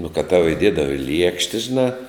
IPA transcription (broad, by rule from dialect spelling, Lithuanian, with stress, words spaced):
nʊ kɐt tɐʊ ɪˈdʲiɛdɐʋɐ ɪ ˈlʲiɛkʃʲtʲɛ ʒʲɪˈnɑː